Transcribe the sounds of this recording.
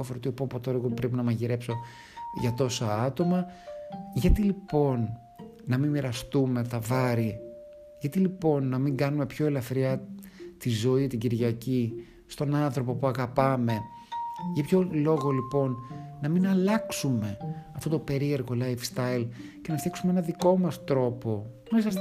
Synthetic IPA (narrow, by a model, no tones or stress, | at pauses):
ofeɾot̪iopopot̪oɾeɣopɾepinɐmɐʝiɾe̞pso̞ | ʝɐt̪o̞sɐɐt̪o̞mɐ | ʝɐt̪ilipo̞nː | ɐmimiɾɐst̪ume̞t̪ɐvɐɾi | ʝɐt̪ilipo̞nːɐmiŋɡɐnume̞pço̞e̞lɐθɾiɐt̪izo̞it̪iɟiɾʝɐci | st̪o̞nɐnθɾo̞po̞puɐɣɐpɐme̞ | ʝɐpçolo̞ɣo̞lipo̞nːɐminɐlɐksume̞ɐft̪o̞t̪ope̞ɾie̞ɾɣo̞lɐjfst̪ɐil | ce̞nɐft̪jɐksumeenɐðiko̞mɐst̪ɾo̞po̞ | mesɐs